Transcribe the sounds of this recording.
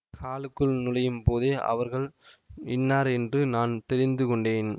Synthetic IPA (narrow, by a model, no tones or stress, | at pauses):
kaːlɯkːɯɭnɪlɐjɯmpoːðeːʔɐ̰ʋɐɾɣɐɭɪnːaːɾɛndrɯnaːnt̪ɛɾɪnd̪ɯkɔɳɖeːn